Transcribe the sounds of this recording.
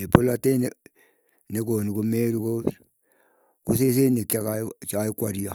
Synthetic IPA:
epolatene | nekonikumeːɾiko | kuses̬enikakat͡ʃaikwaɾia

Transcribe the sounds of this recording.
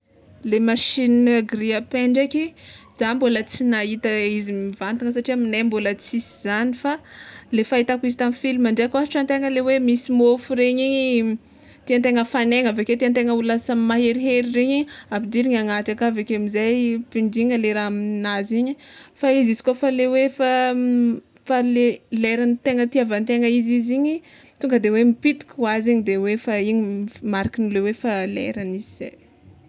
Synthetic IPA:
lemaʃinɡɾiapeɳɖ͡ʐekizambolət͡sinait̪əizimivant̪iŋəs̬aʈ͡ʂiaminajmbolət͡sisi̥z̥anifalefait̪akuizit̪amifilimaɳɖ͡ʐeakaɦiʈ͡ʂant̪eŋəlewemisimofuɾeɲiɲi | t̪iant̪eŋəfaneŋəveket̪iant̪eŋəulasammaɦeɾiɦeɾiɾeɲiapid̪iɾiɲaŋat̪akavekeamizajpiɳdiŋəleɾaaminaziɲifaizizi̥kofalewefa | faleleɾanit̪eŋət̪iavant̪eŋəiziziɲi | t̪uŋɡəd̪ewemipit̪i̥kʲuwaziɲid̪ewefaiɲimaɾakinilewefalḛɾaniziz̥aj

